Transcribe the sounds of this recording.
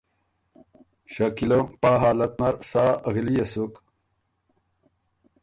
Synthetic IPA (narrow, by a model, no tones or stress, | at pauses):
ɕɐkilompaːɦaːlɐt̪̚nɐɾsaːɐɣilijɐsuk